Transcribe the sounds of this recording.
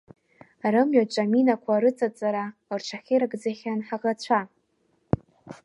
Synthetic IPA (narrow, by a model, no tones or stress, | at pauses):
rɨmɥat͡ʃʷʼaminakʷʰaɾɨt͡sʼat͡sʼaɾaort͡ʃʰaχʲiɾɨɡd͡zaχʲanħaʁat͡ɕʷʰa